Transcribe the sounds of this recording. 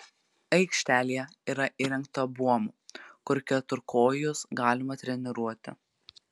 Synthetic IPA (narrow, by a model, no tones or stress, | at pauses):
ɐɪkʃʲt̪ʲæːlʲijɛ | iːɾɐʔiːɾʲɛŋk̚t̪ɐbuɔmuːkʊɾkʲɛt̪ʊɾkʰoːjʊsɡɑːlʲɪmɐt̪ʲɾʲɛnʲɪɾuɔt̪ʲɪ̰